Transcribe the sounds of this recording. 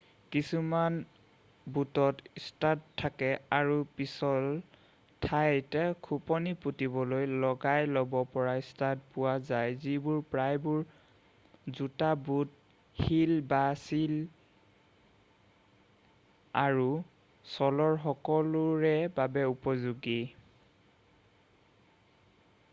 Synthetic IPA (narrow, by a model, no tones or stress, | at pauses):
kisuman | butɔtstatʰːakɛaɹupisɔl | tʰajtɛkʰupɔniputibɔlojlɔɡajlɔbɔpɔɹaistat̚pʊwazajzibʊɹpɹajbʊɹ | zutabut̚ | xilbasil | aɹu | sɔlɔɹxɔkɔlʊɹɛbabɛupɔzuɡi